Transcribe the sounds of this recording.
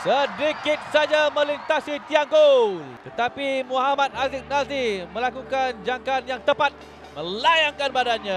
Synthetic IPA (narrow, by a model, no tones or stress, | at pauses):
sədikɪt̪̚sad͡ʒamə̃lint̪asit̪iaŋɡolt̪ət̪apimuɦamat̪̚azik̚nazimə̃lakukand͡ʒaŋkanjaŋt̪əpat̪̚ | mə̃lajaŋkanbadanɲã